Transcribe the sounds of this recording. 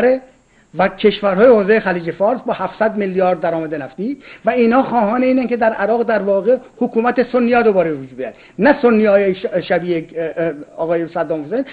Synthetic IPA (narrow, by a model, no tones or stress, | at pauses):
ɾe | væcʰe̞ʃvæɾɦɒːjehoːzejexæliːd͡ʒefɒːɾsbɒːhæfsæd̪melːjɒːɾd̪ːæɾɒːmæd̪enæft̪iːvæiːnhɒːxɒːɦɒːneiːnæŋked̪æɾʔæɾɒːɣd̪æɾvɒːɣehokʰuːmæt̪esonːijɒːd̪obɒːɾeevod͡ʒuːbejæ̰d̪ | næsonːijɒːjeʃæbiːe | ɒːɣɒːjesæd̪ːɒːmfosen